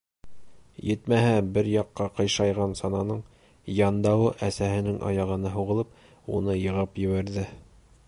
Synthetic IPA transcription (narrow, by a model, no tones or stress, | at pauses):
jɘt̪mæɦæbɘɾjɑqːɑqɤ̆jʃɑjʁɑnsɑnɑnɤɴ | jɑnd̪ɑwɤʔæsæhɘ̆nɘŋʔɑ̰jɑʁɤ̆nɑɦuʁɤ̆lˠɤp̚ | ṵnɤjɤ̆ʁɤpjɘ̆βæɾðɘ